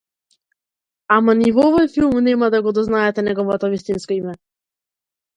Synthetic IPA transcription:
amanivɔvɔjfilˠmnɛmad̪aɡɔd̪ɔznaɛt̪ɛnɛɡɔvɔt̪ɔvist̪inskɔimɛ

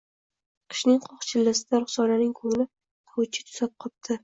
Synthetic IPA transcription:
qʰɨ̥ʃnɪŋqʰɒχt͡ʃʰɪlːɪsɪd̪aɾʊχsɒnanɪŋkʰɵŋlɪ | t̪ʰawʊt͡ʃʰɪ̥t̪ʰʊ̥zap̚qʰɒp̚t̪ʰɪ

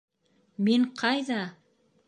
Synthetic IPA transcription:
me̞ɴqʰɑjd̪ɑ

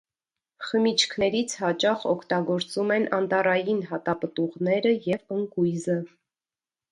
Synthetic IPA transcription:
χəmit͡ʃʰkʰnɛɾit͡sʰhɑt͡ʃɑχɔkʰt̪ɑɡɔɾt͡sumɛnɑnt̪ɑrɑjinɦɑt̪ɑpət̪uʁnɛɾəjɛvəŋkujzə

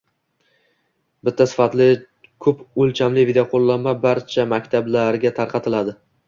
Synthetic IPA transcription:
bɪt̪ʰːasɪ̥fat̪lɪ | kʰɵpʊlt͡ʃʰamlɪvɪd̪ejoqʰolˠːamːabaɾt͡ʃʰamakʲt̪ʰablaɾɡʲat̪ʰaɾqʰɑt̪ʰɪlad̪ɪ

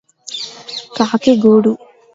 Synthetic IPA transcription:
kaːkeɡuːɽu

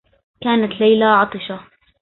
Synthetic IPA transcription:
kaːnat̪lajlaʕɑt̪ˤɨʃa

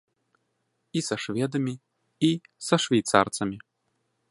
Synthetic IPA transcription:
isɐʂvʲɛd̪ɐmʲi | isɐʂvʲɛjt̪sa̰rt̪sɐmʲi

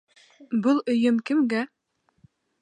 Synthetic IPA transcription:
bɤlˠɵ̆jɵmkɘ̆mɡæ

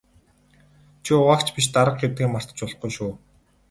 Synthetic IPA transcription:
t͡ɕʰiʊʁaːkt͡ɕʰpiʃt̪aɾə̆q̚ɡet̪ɡiːmar̥t̪ə̆t͡ɕʊɮχɡujʃuː

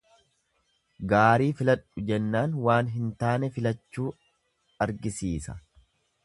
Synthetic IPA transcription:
ɡaːɾiːfɪlɐᶑʊd͡ʒɛnːaːnwaːnɦɪnt̪aːnɛfɪlɐt͡ʃːuː | ɐɾɡɪsiːsɐ̰

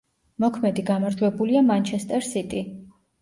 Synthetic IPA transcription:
mɔkʰmɛd̪iɡamaɾd͡ʒwɛbuliamant͡ʃʰɛst̪ʼɛɾsit̪ʼi

